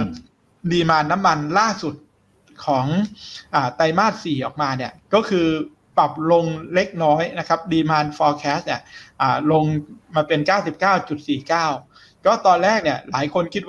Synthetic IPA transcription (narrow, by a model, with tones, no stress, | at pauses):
diː˧maː˧nːa˦˥mːa˧nlaː˥˩su˨˩t̪̚ | kʰɔː˩˦ŋʔaː˨˩t̪a˧jmaː˥˩t̪̚siː˨˩ʔɔː˨˩k̚maː˧ni˥˩ɐkɔː˥˩kʰɯː˧ | pa˨˩p̚lo˧ŋle˦˥k̚nɔː˦˥jna˦˥kʰa˦˥p̚diː˧maː˧nfɔː˧kʰɛː˦˥s̚ni˧˥˩ɐʔaː˨˩lo˧ŋmaː˧pe˧nkaː˥˩wsi˨˩p̚kaː˥˩wt͡ɕu˨˩t̪̚siː˨˩kaː˥˩w | kɔː˥˩t̪ɔː˧nlɛː˥˩k̚ni˥˩ɐla̰ː˩˦jkʰo˧nkʰi˦˥